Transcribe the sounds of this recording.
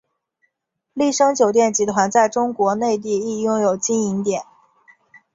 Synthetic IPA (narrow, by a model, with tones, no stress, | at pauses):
li˥˩ʂɤ˥ŋt͡ɕjo˨˩ʊt̪̬jɛ˥˩nt͡ɕi˧˥t̪ʰwa˧˥nt͡sa˥˩ɪʈ͡ʂʊ˥ŋkwɔ˧˥ne˥˧ɪt̪̬i˥˧i˥˩jʊ˥˩ŋjo˨˩ʊt͡ɕi˥ni˧˥ŋt̪jɛ˨˩˦n